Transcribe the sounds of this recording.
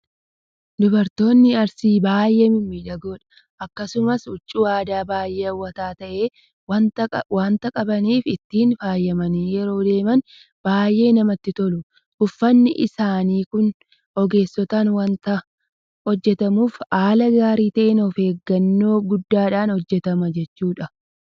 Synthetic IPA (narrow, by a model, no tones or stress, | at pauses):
d̪ʊbɐɾt̪o̞ːnːɪɐɾsiːbaːjʔeːmɪmːiːᶑɐɡo̞ːᶑɐ̥ | ʔɐkːɐsʊmɐsʊt͡ʃʼːuːaːd̪aːbaːjːeːɐwːɐt̪aːt̪ɐʔe̞ː | t̪waːnt̪ɐkʼɐbɐniːfɪt̪ːiːnfaːjːɐmɐniːjɛɾo̞ːd̪e̞ːmɐn | b̥aːjːe̞ːnɐmɐt̪ːɪt̪ɔlʊ | ʊfːɐnːɪ̰ʔɪsaːniːkʊn | ɔɡe̞ːsːɔt̪aːnwɐnt̪ɐ | hɔd͡ʒːɛt̪ɐmuːfaːlɐɡaːɾiːt̪ɐʔɛnɔfe̞ːɡːɐnːoːɡʊd̪ːaːᶑaːnhɔd͡ʒːɛt̪ɐmɐd͡ʒɛt͡ʃːuːᶑɐ